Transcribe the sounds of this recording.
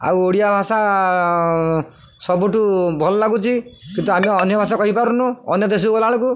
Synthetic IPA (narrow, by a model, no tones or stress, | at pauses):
a̰woɽijabʱasa | sɔbuʈubʱɔlɔlaɡut͡ʃʰikint̪uamiɔnjɔbʱasakɔɦipaɾunũɔnjɔd̪es̬uɡɔlaɭɔku